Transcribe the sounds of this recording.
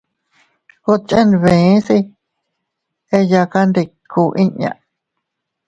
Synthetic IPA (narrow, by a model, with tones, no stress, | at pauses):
ko˦t͡ʃẽ˦˧nβẽ˨˦si˧ | e˧ja˧ka˧nd̪i˧kʰu˨ʔĩ˦ɲã̰˧